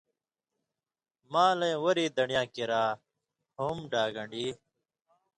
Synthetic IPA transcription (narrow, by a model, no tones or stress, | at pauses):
mãːlɐ̃ĩwɐɾiːd̪ɐɳijãːkiɾaː | hoːmɖaːɡɐ̃ɳɖiː